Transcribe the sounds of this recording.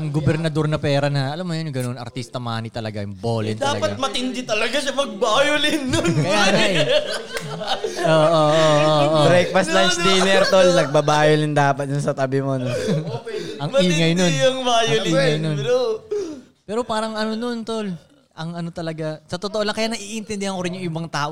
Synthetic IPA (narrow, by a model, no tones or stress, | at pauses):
ʔɐŋɡobɛɾnɐd̪o̞ɾnɐpɛːɾɐnɐɐlamːojonʊŋɡɐnonɐ̰ɾt̪ist̪ɐmaːnit̪ɐlɐɡajʊŋboːlɪ̰nd̪ɐaːlɐ̰ɡpɐat̪̚mɐt̪ɪnd̪ɪt̪ɐlɐɡaʃɐmɐɡ̚baːjʊlɪnːonkɐjjaːɐj | ʔoːʔoʔooʔobɾɛkfɐst̪lant͡ʃd̪ɛnɛɾt̪olnɐɡ̚bɐbaːjolɪnd̪aːpɐt̪̚d̪ʊnsɐt̪ɐbɪmono | ʔɐŋɐiːŋɐjnonɐŋbaːjoliːŋɐjnono | pɛːɾopaːɾɐŋɐnono̞nt̪ol | ʔɐŋɐno̞t̪ɐlɐɡasɐt̪ot̪oʔolɐŋkɐjaːnɐʔiʔɪnt̪ɪnd̪ɪhɐŋko̞ɾɪnjʊŋɪbɐŋt̪aːʔo